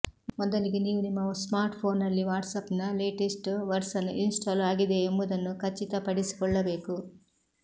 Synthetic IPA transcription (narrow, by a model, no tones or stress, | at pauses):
mɔd̪ɐliɡeniːʋunimːɐsmaːɾʈpʰo̞ːnɐlːiʋaːʈsɐpnɐle̞ːʈisʈʋɐɾsɐnːuʔinsʈaːlaːɡid̪e̞ːmbud̪ɐnːukɐt͡ʃːit̪ɐpɐɽisi̥kɔɭːɐbe̞ːku